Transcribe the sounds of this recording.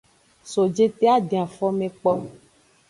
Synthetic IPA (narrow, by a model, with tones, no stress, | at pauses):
so˨d͡ʒe˦t̪e˦a˦ɖẽ˨a˨fɔ˦mẽ˨k͡pɔ˦